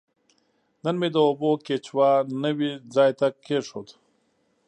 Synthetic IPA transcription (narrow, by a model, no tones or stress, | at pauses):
nənmed̪əoboket͡ʃwaːnəwid͡zaːjt̪akʰeʂot̪